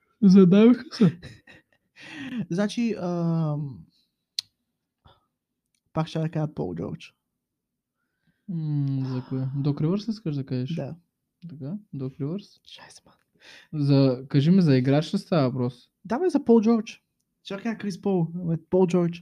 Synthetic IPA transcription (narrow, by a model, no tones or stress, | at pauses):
zɐd̪avixə̥sɛ | znat͡ʃiəm | pakʃt͡ʃad̪ɐkaəpɔ̰lˠd͡ʒɔ̰ɾt͡ʃ | zɐkoɛd̪ɔkɾivəɾsiskəʒd̪ɐkaʒɛʃdd̪a̰ | t̪ɐkad̪ɔkɾivəɾsʃasma | zɐkaʒimizɐiɡɾat͡ʃt̪əst̪aɐpɾɔs | d̪amɛzɐpɔlˠd͡ʒɔɾt͡ʃ | ʃt͡ʃad̪ɐkaəkɾispɔlˠɛpɔlˠd͡ʒɔɾt͡ʃ